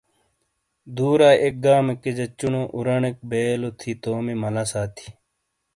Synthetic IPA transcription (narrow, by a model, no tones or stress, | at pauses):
d̪uːɾaːʔek̚ɡaːmeked͡ʑɐt͡ɕːunoːʔuɾɐɳek̚beːlot̪ʰit̪oːmimɐlasaːt̪ʰi̥